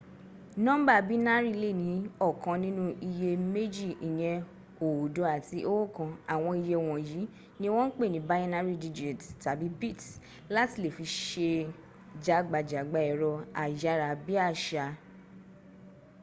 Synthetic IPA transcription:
nɔ̃˦ba˦˨bi˦na˦ɾi˦˧le˦˨nĩ˨˦ɔ˦˨kã˧nĩ˦nũ˦ʔi˧je˧me˦d͡ʒi˦˨i˨j̃ɛ̃˧ | o˨o˨do˨˧˦a˨ti˧˦ʔo˦wo˦˨kã˧a˨w̃ɔ̃˧i˧je˧˨w̃ɔ̃˨ji˨˦ | nĩ˦w̃ɔ̃˦n̩˦k͡pe˦˨nĩ˨˦ba˦jɛ̃˦na˦ɾi˦di˦˧d͡ʒi˨tta˨bi˨˦bi˦˨t | la˦ti˦˨le˨fi˧ʃe˧ | d͡ʒa˨˦ɡ͡ba˨d͡ʒa˨ɡ͡ba˧˦ɛ˨ɾɔ˧a˨ja˨˧˦ɾa˨bi˦a˦˨ʃa˧

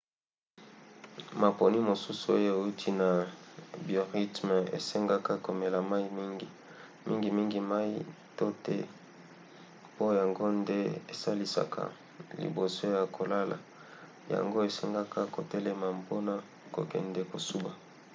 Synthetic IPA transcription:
ma˨po˨ni˦mo˨su˦su˨o˦jo˦e˨u˦tʰi˦na˨bjo˨ʁi˦tm˨ḛ˨se˦ŋɡa˦ka˦ko˨me˨la˨ma˦i˦mi˦ŋɡi˨ | mi˦ŋɡi˨mi˦ŋɡi˨ma˦ḭ˦ | to˦tɛ˦ | po˦ja˨ŋɡo˦nde˦e˨sa˦li˦sa̰˨kʰa̰˨ | lḭ˨bo˨so˦ja˨kʰo˨la˦la̰˨ | ja̰˨ŋɡo˦e˨se˦ŋɡa˦ka˦ko˨tɛ˦lɛ˦ma˨po˦na˦ | ko̰˨kɛ̰˨ndɛ˦ko˨su˦ba˨

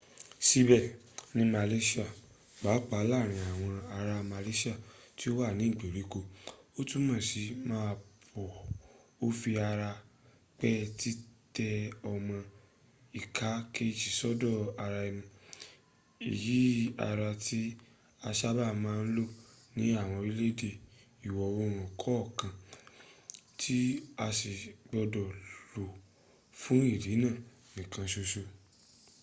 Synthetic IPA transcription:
si˧˦bɛ˦˨ | nĩ˦ma˧le˦ʃi˦a˦˨ | ɡ͡ba˨˦k͡pa˨˦la˦˨ɾ̃ĩ˧a˨w̃ɔ̃˧a˧ɾa˧ma˧le˦ʃi˦a˦˨ti˦o˦wa˦˨nĩ˨˦i˦˨ɡ͡be˨ɾi˨˦ko˧o˦tũ˦mã˦˨si˨˦mãː˦˧pʰɔ˨o˦fi˧a˧ɾa˧ | k͡pɛ˦ti˦tɛ˧ɔ˧mɔ̃˧ | i˨kʰa˨˦ke˦˨d͡ʒi˨sɔ˦dɔ˦˨a˧ɾa˧i˧mũ˧ | ḭ˨ji˨˦a̰˧ɾa˧ti˦ | a˧ʃa˦ba˦˨mãː˦˧n̩˦lo˦˨ | nĩ˨˦a˦˨w̃ɔ̃˧ɾi˦le˦de˧˨ | i˨wɔ˨˧wo˧˦˨ɾ̃ɔ̃˨kʰɔ˨˦ɔ˦˨kã˧˨ | tʰi˦a˧si˨ɡ͡bɔ˧dɔ˨lo˨ | fũ˦i˦˨di˨˦nãː˦˨ | nĩ˨kã˧ʃo˧ʃo˧

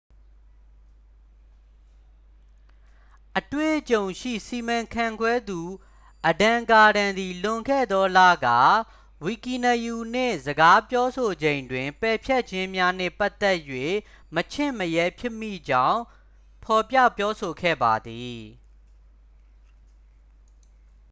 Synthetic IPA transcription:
ʔətwḛ˦˨ʔt͡ɕõ˨ʊ̃ʃḭ˦˨si˨mã˨ŋkʰã˦˨ŋɡwɛ˦d̪u˨ | ʔədã˨ka˨ɾã˨nd̪i˨lʊ̃˨ŋɡɛ̰˦˨d̪ɔ˦lä̰˦˨ɡa̰˦˨ | wi˨ki˨nə˨ju˨n̥ḛ̃˦˨zəɡa˦pjɔ˦sʰo˨d͡ʑẽ˨ɪ̃ndwɪ̃˨mpɛ˨pʰjɛ˦ʔ̚t͡ɕʰɪ̃˦mja˦nɛ̰̃˦˨pa˦t̪ɛ˦ʔjwḛ˦˨ | mət͡ɕʰɪ̰̃˦˨məjɛ˦pʰjɪ˦ʔmːḭ˦˨d͡ʑã˦ʊ̃ | pʰɔ˨pjä̰˦˨pjɔ˦so˨ɡʰɛ̰˦˨ba˨d̪i˨

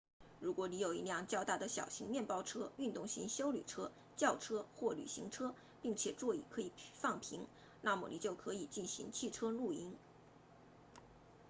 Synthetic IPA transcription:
ɻu˧˥kwɔ˧˥ni˧˥jo˨˩ʊi˧˥ljɑ˥˧ŋt͡ɕjɑ˥˧ʊt̪a˥˩d̪ə˩ɕjɑ̰˨˩ʊɕi˧˥ŋmjɛ˥˩npɑ˥ʊʈ͡ʂʰɤ˥y˥˧nt̪ʊ˥˩ŋɕḭ˧˥ŋɕjo˥ʊly˨˩ʈ͡ʂʰɤ˥ | t͡ɕjɑ˥˩ʊʈ͡ʂʰɤ˥xwɔ˥˩ly̰˨˩ɕḭ˧˥ŋʈ͡ʂʰɤ˥ | pi˥˩ŋt͡ɕʰjɛ˨˩ʈ͡ʂwɔ˥˩ḭ˨˩kʰɤ˧˥i˨˩fɑ˥˩ŋpʰi˧˥ŋ | na˥˩mu˨˩lḭ˨˩t͡ɕjo˥˩ʊkʰɤ˧˥i˨˩t͡ɕi˥˩nɕi˧˥ŋt͡ɕʰi˥˩ʈ͡ʂʰɤ˥lu˥˩i˥n

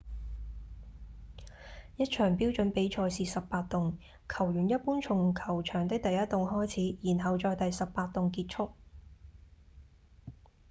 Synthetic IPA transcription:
jɐ˥t̚t͡ʃʰœː˨˩ŋpiː˥wt͡ʃɵ˨˥npe˨˥jt͡ʃʰɔː˧jsiː˨˩sɐ˨ppːaː˧t̚t̪ʊ˨ŋ | kʰɐ˨˩wjyː˨˩njɐ˥t̚puː˥nt͡ʃʰʊ˨˩ŋkʰɐ˨˩wt͡ʃʰœː˨˩ŋt̪ɪ˥k̚t̪ɐ˨jːɐ˥t̪ːʊ˨˩ŋɦɔː˥jt͡sʰiː˨˥jiː˨˩nɦɐ˨wt͡ʃɔː˧jt̪ɐ˨jsɐ˨pːaː˧t̚t̪ʊ˨ŋkiː˧t̚t͡ʃʰʊ˥k̚

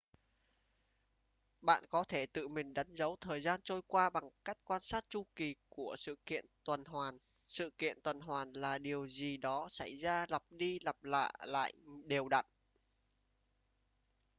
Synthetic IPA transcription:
ɓa̰ː˧˨nkɔ˨˦t̪ʰe˧˩t̪ɨ̰˧˨mï˨˩ŋ̟ɗa˨˦jŋzə˨˦wt̪ʰəː˨˩jzaː˧nt͡ɕo˧jkwaː˧ɓa˨˩ŋka˦˥jk̟̚kwaː˧nsaː˦˥t̚t͡ɕu˧ki˨˩ku˧˩əsɨ̰˧˨kḭ˧˨ənt̪wə˨˩nɦwaː˨˩n | sɨ̰˧˨kḭ˧˨ənt̪wə˨˩nɦwaː˨˩nlaː˨˩ɗi˨˩əwzi˨˩ɗɔ˨˦sa˧˩jzaː˧la˨˩p̚ɗi˧la˨˩p̚la̰ː˧˨jla̰ː˧˨jɗe˨˩wɗa̰˧˨t̚

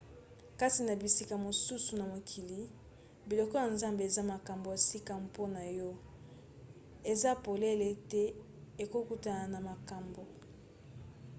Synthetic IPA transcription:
ka˦ti˨na˨bi˨si˦ka˨mo˨su˦su˨na˨mo˨kʰi˨li˨ | bi˨lɔ˨kɔ˦ja˨nza˦mbe˨e˨za˦ma˨ka˨mbo˨ja˨si˦ka˦˨po˦na˨jɔ˦ | e˨za˦po˨le˦le˦tɛ˦ | e˨ko˦ku˦ta˨na˨ma˨ka˨mbo˨

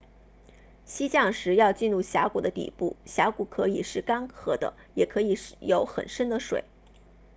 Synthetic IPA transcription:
ɕi˥t͡ɕjɑ˥˩ŋʂɻ̩˧˥jɑ˥˧ʊt͡ɕi˥˧nɻu˥˩ɕja˧˥ku˨˩d̪ə˦t̪ḭ˨˩pu˥˩ɕja˧˥ku˧˥kʰɤ˧˥i˨˩ʂɻ̩˥˩kɑ˥ŋxɤ˧˥d̪ə̰˧ | jɛ˨˩kʰɤ˧˥i˨˧˩ʂjo˧˥ʊxə̰˨˩nʂə˥nd̪ə˨ʂwḛ˨˩˦ɪ

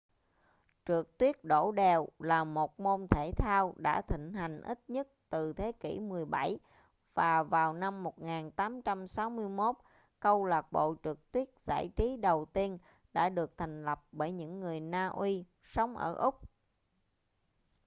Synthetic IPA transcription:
t͡ɕɨ˨˩ək̚t̪wi˦˥ət̚ɗo̰˧˩ɗɛ˨˩wlaː˨˩mo˨˩t̚mo˧nt̪ʰe˧˩t̪ʰaː˧wɗa̰ː˧˥t̪ʰḭ̈˧˨ŋ̟ɦa˨˩jŋ̟ʔi˦˥t̚ɲə˦˥t̚t̪ɨ˨˩t̪ʰe˨˦kḭ˧˩mɨ˨˩əjɓa˧˩j | v̥aː˨˩vaː˨˩wna˧mːo˨˩t̚ŋaː˨˩nt̪aː˨˦mt͡ɕa˧msa˨˦wmɨ˧əjmo˦˥t̚ | kə˧wlaː˨˩k̚ɓo̰˧˨t͡ɕɨ˨˩ək̚t̪wi˦˥ət̚z̥a̰ː˧˩jt͡ɕi˨˦ɗə˨˩wt̪i˧ən | ɗa̰ː˧˥ɗɨ˨˩ək̚t̪ʰa˨˩ŋ̟lə˨˩p̚ɓəː˧˩jɲɨ̰˧˥ŋːɨ˨˩əjnaː˧ʔwi˧ | sə˨˦wŋ͡mʔə̰ː˧˩ʔʊ˦˥k͡p̚

